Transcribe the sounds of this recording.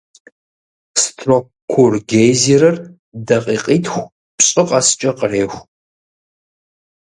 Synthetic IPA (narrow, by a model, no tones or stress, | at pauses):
sɨ̥tʰro | kʷʰʊrɡejziɾɐr | dɐqʼiːqʼiːtʰxʷ | pɕʼɪqʼɑsɨ̥t͡ʃʼɐqəreːxʷ